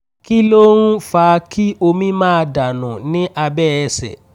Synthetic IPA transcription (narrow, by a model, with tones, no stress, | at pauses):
ki˦lo˦ɾ̃ũ˦faː˧ki˦o˧mĩ˦mãː˦˧da˨nã˨nĩ˦ʔa˧bɛ˦ɛ˧sɛ̰˨